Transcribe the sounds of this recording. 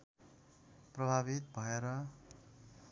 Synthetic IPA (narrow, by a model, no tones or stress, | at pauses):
prʌbʱaβit̪̚bʱʌeɾʌ